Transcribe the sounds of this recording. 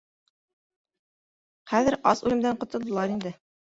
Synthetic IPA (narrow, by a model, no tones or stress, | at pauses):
χæðɘɾɑsʉlɘ̆md̪æɴqŏt̪ŏlˠd̪ɤ̆lˠɑɾind̪ɘ